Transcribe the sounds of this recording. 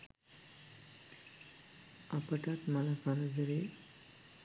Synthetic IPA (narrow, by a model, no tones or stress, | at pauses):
apəʈat̪məlakʰaɾad͡zəɾe